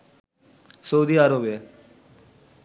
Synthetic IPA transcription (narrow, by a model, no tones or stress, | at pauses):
soud̪iːaɾobe